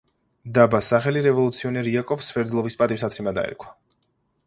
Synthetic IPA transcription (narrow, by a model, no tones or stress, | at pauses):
d̪abasaχɛliɾɛvɔlˠut̪sʰiɔnɛɾiakʼɔfsvɛɾd̪lˠɔvispʼat̪ʼivsat̪sʰɾimad̪a̰ɛ̰ɾkʰwḁ